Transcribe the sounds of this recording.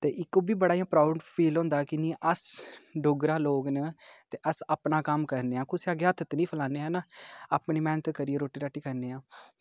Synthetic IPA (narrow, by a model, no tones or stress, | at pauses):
t̪eːʔɪkːoːbiːbəɽaːjãːpɾaːʊɖpʰiːlɦõːnd̪aːkɪnĩːʔəsɖʊɡɾãːloːɡnət̪eːʔəsapnaːkəmkəɾneːãːkʊseaːɡeaːt̪ʰt̪niːpʰəlaːneːɦɛ̃ːnaːaːpniːmɛ̃ːnət̪kəɾiːeːɾoːʈːiːɾaːʈiːkəɾneːãː